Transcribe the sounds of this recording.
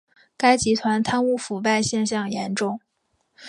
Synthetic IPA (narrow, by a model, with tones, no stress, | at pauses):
ka˥ɪt͡ɕi˧˥t̪ʰwa˧˥nt̪ʰa˥nu˥˩fu˨˩pa˥˧ɪɕjɛ˥˧nɕjɑ˥˩ŋjɛ˧˥nʈ͡ʂʊ˥˩ŋ